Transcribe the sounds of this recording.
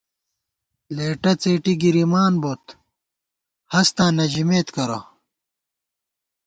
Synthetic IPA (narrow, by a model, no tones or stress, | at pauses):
leːʈɐt͡seːʈiɡiɾimaːnbot̪ | hɐst̪ãːnɐʑimeːt̪kɐɾɐ̰